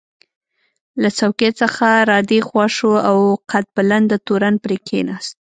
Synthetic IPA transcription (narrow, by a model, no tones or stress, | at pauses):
lat͡sawket͡səxaɾɑd̪exwɑʃuawqat̪̚baland̪ət̪oɾanpɾekʰḛnɑst̪̚